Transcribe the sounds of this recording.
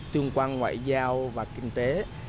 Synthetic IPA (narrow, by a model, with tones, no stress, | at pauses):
t̪ɨ˧əŋkwaː˧nŋwa̰ː˧˨jzaː˧wvaː˨˩kï˧ŋ̟t̪e˨˦